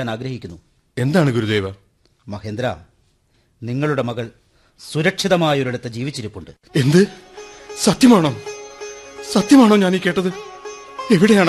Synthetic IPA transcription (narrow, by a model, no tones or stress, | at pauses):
aːnaːɡɾɐhikʲːunːu | e̞nd̪aːɳɨɡuɾud̪e̞ːʋɐ | mɐhe̞ːnd̪ɾa̰ | niŋːɐɭuɽe̞mɐɣɐɭ | suɾɐkʂiðɐmaːjɐo̞ɾuɽɐt̪ːed͡ʑiːʋit͡ɕːiɾupːuɳɖɨ | e̞nd̪ɨ | sɐt̪jɐmaːɳoː | sɐt̪jɐmaːɳoːɲaːniːkːe̞ːʈːɐðɨ | e̞ʋiɽe̞jaːɳ